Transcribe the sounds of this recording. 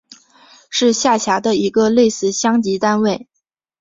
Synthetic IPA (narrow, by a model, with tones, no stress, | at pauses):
ʂɻ̩˥˧ɕja˥˩t͡ɕʰja˧˥d̪ə˧i˧˥ɡə˧le˥˧ɪsɹ̩˥˩ɕjɑ˥ŋt͡ɕi˧˥t̪a˥nwe˥˩ɪ